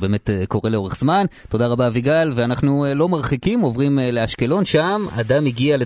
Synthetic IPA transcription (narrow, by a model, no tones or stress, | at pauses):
beːme̞teko̞ʁe̞leo̞ʁeχz̥manto̞d̪aʁabaviɡalveanaχnuelo̞maʁχikimo̞vʁimeleaʃke̞lo̞nʃama̰d̪amiɡiale